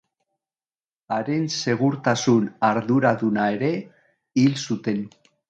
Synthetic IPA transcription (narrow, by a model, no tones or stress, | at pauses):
aɾe̞nse̞ɣ̞uɾt̪asunaɾðuɾaðunae̞ɾe̞ | ilsut̪e̞n